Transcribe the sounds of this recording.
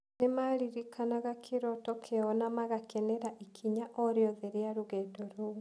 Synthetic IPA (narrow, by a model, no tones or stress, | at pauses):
nemaɾiɾikʰanaɣakʰeɾɔtɔkʰeɔnamaɣakʰɛnɛɾaʔikʰiɲaʔɔɾjɔðɛɾjaɾuɣɛdɔɾo